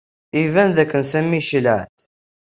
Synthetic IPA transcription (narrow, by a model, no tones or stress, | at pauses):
ivænðækːənsæmːiʃələʕθ